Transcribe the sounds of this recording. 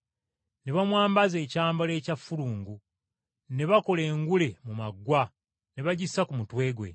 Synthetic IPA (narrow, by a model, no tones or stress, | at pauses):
ne̞βamwaːmbaze̞ːcaːmbole̞ːcafuɾuːŋɡu | ne̞βako̞le̞ːŋɡule̞mumaɡwa | ne̞βaɟisakumutwe̞ːɡwe̞̰